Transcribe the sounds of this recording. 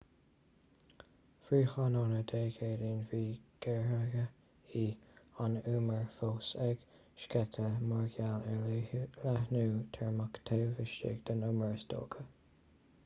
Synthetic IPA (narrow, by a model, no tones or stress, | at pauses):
fɹiːxɑnɔːnəd̪eːɡeːdiːnviːɡ̥ɛɹɹəɡə | iːanuːməɹfoːsɛɡ̥ | ʃkɛt̪ʰəmɔɹɡalɛɹlahnuːt̪ʰɛɹmakt̪ʰewvɪʃɪ̰ɡd̪̥ənʊməɹsd̪o̰ːɡ̥ə